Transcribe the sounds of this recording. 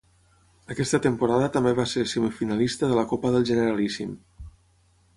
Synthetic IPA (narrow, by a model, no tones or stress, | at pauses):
əkɛst̪ət̪əmpuɾaðət̪əmbeβaseɾsəmifinalist̪əðələkopəðəlˠʒənəɾalisim